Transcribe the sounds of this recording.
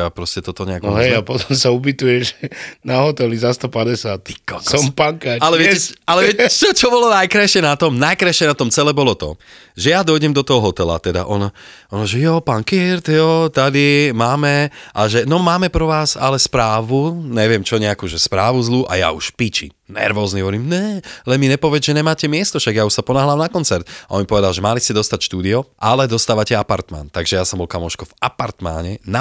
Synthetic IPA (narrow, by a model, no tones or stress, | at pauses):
apɾɔscɛt̪ɔt̪ɔɲɛaɡɔɦɛjapɔt̪ɔmsaubit̪ujɛʒɛnaɦɔt̪ɛlizast̪ɔpadɛsat̪̚kɔsɔmpaŋkaalɛʋɪɛɛalɛʋɪɛɛt͡ʃɔt͡ʃɔbɔlɔnajkɾajʃɪɛnat̪ɔmnajkɾajʃɪɛnat̪ɔmt͡sɛlɛːbɔlɔt̪ɔ̰ | ʒɛjad̪ɔjɟɛmd̪ɔt̪ɔɦɔɦɔt̪ɛla̰t̪ɛd̪a̰ʔɔnɔɔnɔʒɛjɔpankiɾt̪jɔt̪ad̪imaːmɛʔaʒɛnɔmaːmɛpɾɔʋaːsalɛspɾaːʋuɲɛʋɪɛmt͡ʃɔɲɛakuːʒɛspɾaːʋuzlˠuːʔa̰ja̰uʃpit͡ʃḭ | nɛ̰ɾʋɔːzniɦɔʋɔɾiːmnɛlɛnmiɲɛpɔʋɛd͡zʒɛɲɛmaːcɛmɪɛst̪ɔfʃaɡjauʃsapɔnaɦlamnakɔnt͡sɛɾt̪aʔɔ̰nmipɔʋɛd̪alʒɛmaliscɛd̪ɔst̪acʃt̪uːd̪iɔʔalɛd̪ɔst̪aːʋacɛapaɾt̪ma̰nt̪aɡʒɛjasɔmbɔlkamɔʃkɔvapaɾt̪ma̰ɲɛna